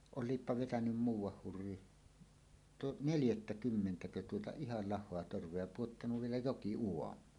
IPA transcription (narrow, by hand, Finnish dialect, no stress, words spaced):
olˑiːpːɑ ʋetænym muːwˑɑh hurːi tu neljætːækymːentækø tuotɑ ihɑl lɑhˑoɑ torʋˑeɑ jɑ puotːɑnuʋ ʋielæ jokiuomˑɑːn